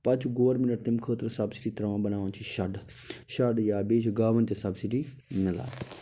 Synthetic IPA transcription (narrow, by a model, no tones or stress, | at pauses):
pɐt͡ʃʰɡoːɾmɪnəʈt̪ɪmkʰəːt̪əɾsɐbsɪ̥ʈiːt̪ɾɐʋãːbɐnaːʋãnt͡ʃʰiʃɐɖ | ʃɐɖjaːbeːd͡ʒɡaːʋənt̪esɐbsɪʈi | mɪnəla̰ː